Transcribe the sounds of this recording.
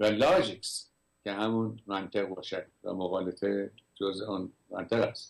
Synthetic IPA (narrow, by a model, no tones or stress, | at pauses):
vælɒːd͡ʒiks | cʰeɦæmunmænt̪ʰeɣbɒːʃæd̪væ̰moɣɒːlet̪ʰed͡ʒozuːn | mæ̰nt̪ʰeɣæst̪